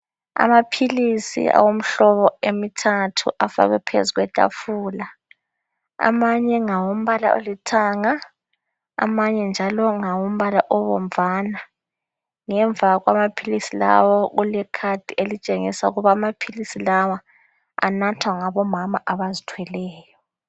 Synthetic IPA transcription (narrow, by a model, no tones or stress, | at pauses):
a̰mapʰilisḭa̰wom̩ɬɔβɔemitʰatʰuʔafa̰ɣwɛpʰḛzuɣwɛtʼa̰fuːla | a̰maɲɛŋawom̩βala̰ʔo̰litʰaːŋa | a̰maɲɛnd͡ʒʱalɔŋawom̩βalaʔɔβɔ̰mvʱaːna | ŋɛɱb̪vʱaɣwamapʰilisila̰wɔɣulɛkʰad̥ʱʼielit͡ʃʼeŋisaṵɣuβaːmapʰilisilawa | a̰natʰwaŋaβɔmamaʔaβazitʰwɛlɛːjɔ